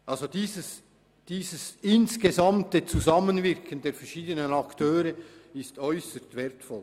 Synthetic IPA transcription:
ʔɑlzodiːzəs | d̥iːzəsɪnskezɑmtət͡suzɑmənvɪʁkʰəndeːɐfɛʁʃiːdənənɑktʰøːɾəɪstœʏsəstvɛɾtfɔl

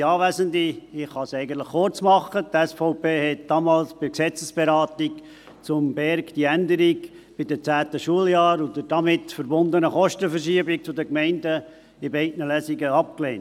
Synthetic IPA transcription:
ɑːʋæzəndiɪχɑsɛɪɡənt̪ləχːʊɾt͡smɑχətɛsfɔʊpeːhɛt̚d̥ɑːmɑːlsb̥ɪksɛt͡səsb̥ɛɾɑːt̪ik | t͡sʊmbɛɾkd̥iændəɾik | b̥ɪd̥ət͡sæːtəʃuəljɑːɾʊd̪əd̥ɑmɪtfəɾbʊnd̪ənəχɔʃtəfəɾʃiəbɪk̚t͡sʊdəkmɛɪndə | ɪbɛɪtnəlæsiɡəɑp̚kleːn

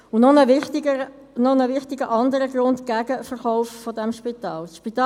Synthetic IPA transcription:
ʊnɔnəʋɪχtɪɡə | nɔnəʋɪχt̪ɪɡəʔɑnd̪əɾəɡrʊntɡ̥æɡəfərχɔʊffɔdɛmʃpit̪ɑːlsʃpit̪ɑ

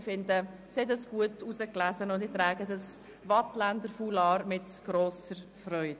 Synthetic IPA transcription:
fɪndə | sɛdəsɡ̥uətusəklæzənʊndɪtɾɛːɡədɑs | vɑtlændəɾfuːlɑːɾmɪtɡ̥ɾoːsəɾfɾɔʏd

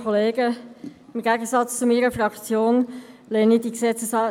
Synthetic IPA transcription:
kʰoleːɡəɪmɡɛɡəsɑt͡st͡sʊmiːɾəfɾɑkt͡sjoːnlɛnidiksɛt͡səs

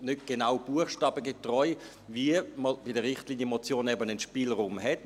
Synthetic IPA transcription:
nʏtɡ̥enaʊb̥uəχʃtɑːb̥əɡetʁɔʏ | viəməb̥ɪdəʁɪχtliːnjəmɔt͡sjoːnɛbənənʃpiːlʁuːmɦɛt

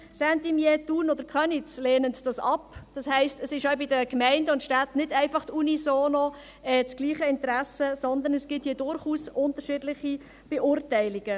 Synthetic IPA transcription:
sɛntimjɛt̪uːnɔd̥̪əɾkχœnit͡sleːnəntd̥ɑsɑpd̥ɑshɛɪstəsɪʃœɥbɪdəkmæɪndəʊntʃtatnɪdæɪfɑχtunisoːnɔ | ɛːt͡sɡ̥liːχəɪntɾæsəsɔnd̪ənəsɡ̥ɪthiːdʊɾχuːsʊnt̪əɾʃɪdlɪχi | b̥eʔʊɾtɛɪliɡ̥ə

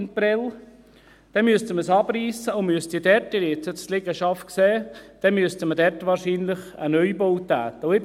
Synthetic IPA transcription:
npɾɛl | d̥ɛnmyəst̪əməsɑbriːsəʊmyəst̪idɛɾtɪɾet͡səslɪɡəʃɑftkseːd̥ɛnmyəst̪əmədɛɾtʋɑːɾʃiːnlɪχənœʏbowt̪æːt̪əʊɪb

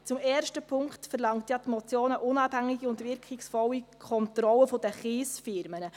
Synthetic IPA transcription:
t͡sʊmɛːrʃtəpʰʊŋkχtfərlɑŋtjɑtmɔt͡sjoːnəʔʊnɑːphæŋːiɡiʊntʋɪɾkʰɪksfɔlːikʰɔntɾɔləfɔd̥əχiːsfɪɾmənə

